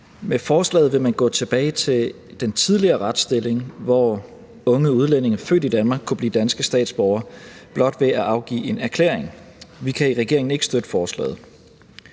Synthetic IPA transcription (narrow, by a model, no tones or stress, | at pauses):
mefɒːslɛ̰ːð̞̩ˠʋe̝mænɡ̥ɔ̰̽ːt͡sʰe̝b̥ɛːɪt͡sʰe̝l | d̥ent͡sʰið̞ˠliɐːʁɑd̥sd̥e̝le̝ŋʋɒ | ɔ̽ŋəuð̞ˠlen̰e̝ŋɐfø̰ːd̥id̥ænmɑ̈ːɡ̥̚kʰːub̥lḭːd̥ænsɡ̥əsd̥ɛ̰ːd̥sb̥ɒʊɐb̥lɒ̽d̥ʋe̝æʔɑ̈ʊɡ̥ḭːe̝næɐkʰle̝̰ɐeŋʋikʰæiʁɛɡ̥e̝ɐeŋn̩e̝ɡ̥əsd̥ød̥əfɒːslɛ̰ːð̞̩ˠ